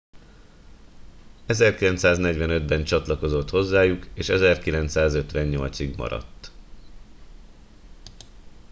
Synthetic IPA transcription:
ɛzɛrkilɛnt̪saːznɛɟʋɛnø̞d̪bɛnt͡ʃɒt̪lɒko̞zo̞t̪ho̞zːaːjukeːʃɛzɛrkilɛnt̪saːzø̞t̪ʋɛɲːo̞lt̪siɡmɒ̰ɾɒ̰t̪ː

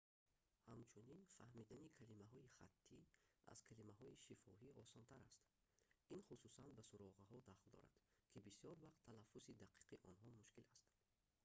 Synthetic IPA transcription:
hamt͡ʃʰuninfahmid̪anikʰalimaɦɔiχa̰t̪ʰːia̰z̥kʰalimaɦɔiʃifɔɦiɔsɔnt̪ʰaɾast̪ | inχususanbasuɾɔʁaɦɔd̪aχld̪ɔ̰ɾa̰d̪̥kʰibisijɔɾvaqt̪ʰːalafːusid̪aqʰi̥qʰiʔɔnɦɔmuʃkilast̪

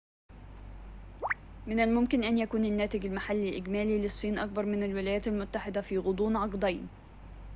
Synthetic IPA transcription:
mɪnalmʊmkɪnʔænjakuːnanːæːt̪ɪɡalmaħalːɪlʔɪɡmæːlilɪsˤːiːnʔɑk̚bɑɾˤmɪnalwɪlæːjæːt̪almʊt̪ːaħɪd̪æfiːɣʊd̪ˤuːnʕɑqd̪ɑjn

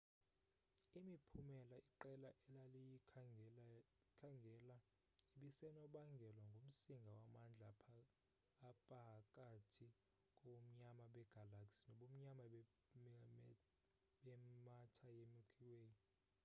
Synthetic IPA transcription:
imipʰumɛlaiǃɛlaʔɛlaliji | kʰaŋɡʱɛla | iɓisɛnɔɓaŋɡʱɛlwaŋɡʱom̩siŋɡʱawamand͡ɮʱapʰː | pʼakʼatʰi | kʼɔom̩ɲamaɓɛɡ̥ʱalaksi̥nɔɓom̩ɲama | ɓɛmatʰajemikʰʼiweːji

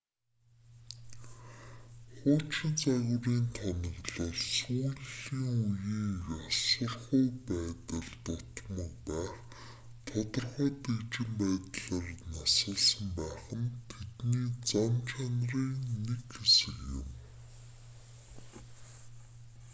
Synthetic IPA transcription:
χʊːt͡ɕɪ̆nt͡saɣʲʊɾiːnt̪ʰanə̆ɣɮə̆ɮsuːɮiːŋujiːasə̆rχʊːpæːt̪ə̆ɮt̪ʊt̪mə̆kpæːχ | t̪ʰɔt̪ɞ̆rχɔːt̪ekt͡ɕɪ̆mpæːt̪ɮaːrnasə̆ːɮsə̆mpæːχə̆nt̪ʰet̪niːt͡samt͡ɕʰanriːnːekxesɘ̆kjɪ̰m

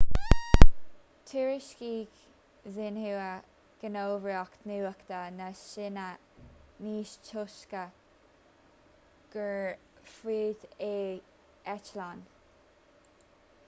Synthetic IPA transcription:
t̪ʰuːɹɪʃkiːɡ | zɪnhuwə | ɡ̥ənoːvɾiɔkt̪nuwəkt̪ənəʃɪnə | niːʃt͡ʃʰʊʃkə | ɡ̥əɹ | fɹiːd̪eː | ɛt͡ʃlan

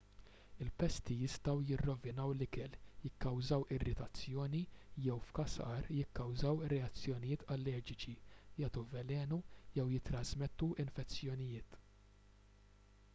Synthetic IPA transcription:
ɪlpɛst̪ijɪst̪ɐwjɪrːɔvɪnɐwlɪkɛljɪkːɐwzɐwʔɪrːɪt̪ɐt͡sːjɔːnijɛwfkɐsɐɾjɪkːɐwzɐwɪrːɛɐt͡sːjɔnɪjɪːt̪ʰɐlːɛːd͡ʒɪt͡ʃijɐːt̪uvɛlɛːnujɛwjɪt̪ːɾɐzmɛt̪ːuʔɪnfɛt͡sːjɔnɪjɪːt̪

